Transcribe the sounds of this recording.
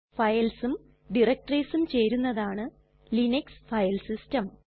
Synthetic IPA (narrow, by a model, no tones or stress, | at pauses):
fɐjɐlsum | ɖirɐk̚ʈreːsumt͡ɕeːɾunːɐðaːɳɨ | linɐksfɐjɐlsistɐm